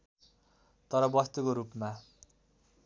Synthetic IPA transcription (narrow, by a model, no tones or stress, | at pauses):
t̪ʌɾʌbʌst̪ukoɾupma